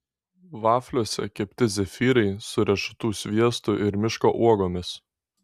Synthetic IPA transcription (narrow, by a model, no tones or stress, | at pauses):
ʋɑːfʲlʲuɔsʲɛ̰kʲɛpʲt̪ʲɪzʲɛfʲiːɾɐɪsʊɾʲɛʃʊ̥t̪uːsʲʋʲiɛst̪ʊʔɪɾmʲɪʃkoːʔuɔɡoːmʲɪs